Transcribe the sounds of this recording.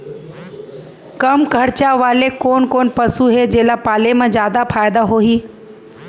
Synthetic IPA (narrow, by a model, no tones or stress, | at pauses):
kəmkʰəɽt͡ʃaʋaːlekoːnkoːnpəsuɦed͡ʒeːlapaːlemãd͡ʒjaːd̪apʰaːjd̪aɦoɦiː